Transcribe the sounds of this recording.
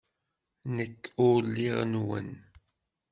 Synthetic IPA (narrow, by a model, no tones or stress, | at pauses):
nəkʰuːlːiʁnuə̰n